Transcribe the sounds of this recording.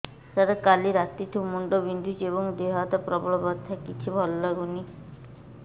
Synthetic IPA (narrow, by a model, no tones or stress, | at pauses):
saɾakaliɾat̪it̪ʰumuɳɖɔbind̪ʱud͡ʒebɔŋd̪eɦat̪ɔpɾɔbɔɭɔbɔt̪ʰakit͡ʃʰibʱɔlːɔɡuni